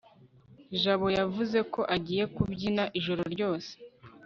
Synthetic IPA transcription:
ʒaβo̞javuze̞ko̞ʔaɟiːje̞kubɟinaʔiʒo̞ɾo̞ɾɟo̞ːse̥

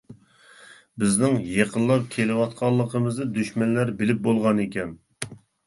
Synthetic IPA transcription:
bɪznɪŋjeqʰənlˠɑp̚kʲʰelɪwɑt̪̚qʰɑlˠːəqəmɨzd̪ɨd̪yʃmɛnlæɾbɪlɪp̚bolˠʁɑnekʲɛn

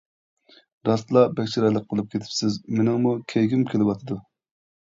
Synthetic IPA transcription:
ɾɑst̪lˠɑbɛkʲt͡ʃʰiɾɑjlˠəqʰːəlˠɨp̚kʲʰet̪ʰɪ̥psɪzmenɪŋmukʲʰɛjɡʲimkʲʰelɪwɑt̪ʰɨd̪u

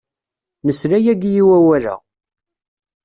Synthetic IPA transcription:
nəsɾæjæɡjiwæwælæ̰

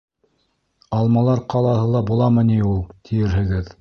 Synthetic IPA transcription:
ɑlˠmɑlˠɑɾqʰɑlˠɑhɤlˠɑbulˠɑmɤ̆niulˠt̪ʰijɘ̆ɾɦɘ̆ɡɘð

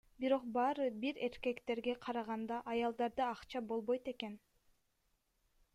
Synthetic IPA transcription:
biɾo̞q̚bɑːɾɯbiɾe̞ɾke̞kt̪e̞ɾɡe̞qʰɑɾɑʁɑnd̪ɑʔɑjɑlˠd̪ɑɾd̪ɯɑqt͡ʃɑbo̞lˠβo̞jt̪e̞ke̞n

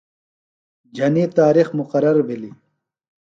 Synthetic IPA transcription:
d͡ʑʱɐnit̪aːɾixmʊqɐɾɐɾbili

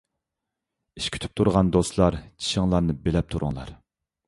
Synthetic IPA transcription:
iʃkʲʰy̥t̪ʰy̥p̚t̪ʰuɾʁɑnd̪oslˠɑɾt͡ʃʰi̥ʃɪŋlˠɑɾnɨbelɛp̚t̪ʰuɾʊ̰ŋlˠɑ̰ɾ

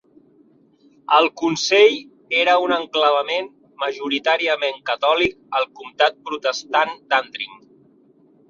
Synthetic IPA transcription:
əlˠkunseʎ | eɾəunəŋkləβ̞əmen | məʒuɾit̪aɾiəmeŋkət̪ɔlik̚ | əlˠkumt̪at̪̚pɾut̪əst̪and̪and̪ɾḭŋ

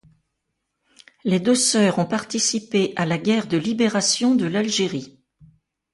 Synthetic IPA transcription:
lɛd̪øsœʁɔ̃paʁt̪isipeʔalaɡʲɛʁd̪əlibeʁasjɔ̃d̪əlalʒeʁi

